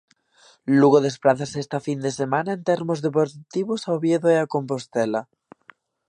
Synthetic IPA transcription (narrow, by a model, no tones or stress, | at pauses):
luɣoðespɾaθasest̪afind̪esemanaent̪eɾmozðepoɾt̪iβosawβjeðoeakompost̪ela